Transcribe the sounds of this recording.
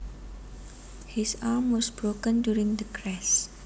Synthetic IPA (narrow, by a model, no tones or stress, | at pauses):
hisaːmwɔsbɹokə̃ndjuɹĩŋd̪əkʰɹɛs